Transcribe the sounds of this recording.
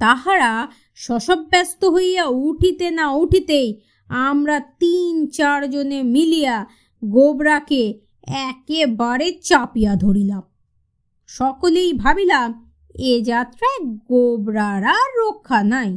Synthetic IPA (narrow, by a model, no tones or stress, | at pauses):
t̪aɦaɾa | ʃɔʃobːɛst̪oɦojjauʈʰit̪enauʈʰit̪ej | amɾat̪int͡ɕaɾd͡ʑonemilija | ɡobɾake | ɛkebaɾet͡ɕapijad̪ʱoɾilam | ʃɔkolejbʱabilam | ed͡ʑat̪ːɾaeɡobɾaɾaɾːokʰːanaj